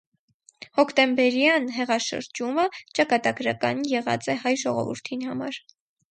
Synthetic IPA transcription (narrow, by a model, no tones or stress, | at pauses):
hɔkʰt̪ɛmbɛɾjɑnɦɛʁɑʃə̰ɾd͡ʒumət͡ʃɑkɑt̪ɑɡɾɑkɑ̰njɛʁɑ̰t͡sɛhɑjʒɔʁɔ̰vṵɾt̪ʰinhɑmɑɾ